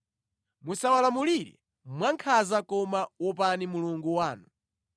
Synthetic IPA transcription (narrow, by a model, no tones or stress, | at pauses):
musawalamuliɾɛ̰ | mwaŋkʰazakɔmawɔpanimuluŋɡuwaːnu